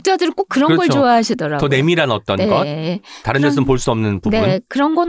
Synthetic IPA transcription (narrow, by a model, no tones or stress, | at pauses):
t͈ɯadɯɾk͈ok͈ɯɾʌnkɯʌɡʌɭt͡ɕoaɦaɕʰidʌɾaɡʌne̞miɾanʌt͈ʌnɡʌt̚taɾɯnːaɭs͈ɯmpoɭs͈uʌmnɯnpunbeunkɯɾʌnɡʌn